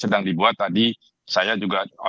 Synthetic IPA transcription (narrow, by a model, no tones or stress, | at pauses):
sədaŋdibuat̪ːadi | sajad͡ʒuɡao̰